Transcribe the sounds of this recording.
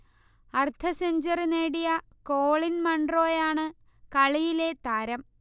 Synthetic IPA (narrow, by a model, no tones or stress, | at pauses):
ɐrt̪ʰɐseɲd͡ʑɐrine̞ːɽijɐ | ko̞ːɭinmɐɳɖro̞ːjaːɳɨ | kɐɭijile̞t̪aːɾɐm